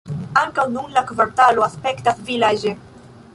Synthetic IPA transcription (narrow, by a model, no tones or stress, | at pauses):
aŋkawnũŋlakvaɾt̪aloaspɛkt̪asvilaʒe